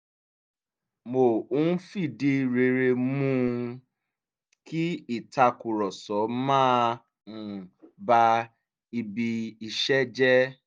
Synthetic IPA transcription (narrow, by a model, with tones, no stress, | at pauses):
mo˨u˦n̩˦fi˦˨di˦˨ɾe˧ɾe˧mũ˦ | ki˦i˦˨ta˧ku˨ɾɔ˨sɔ˨˦mãː˦ | ũ˨ba˧ | i˧bi˧i˧ʃɛ˦d͡ʒɛ˦